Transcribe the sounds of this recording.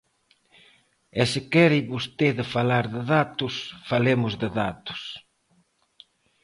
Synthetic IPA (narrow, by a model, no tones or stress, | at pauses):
ɛsɪkɛɾɪβʊst̪eðɪfalaɾðɪðat̪ʊsfalemʊzðɪðat̪ʊ̥s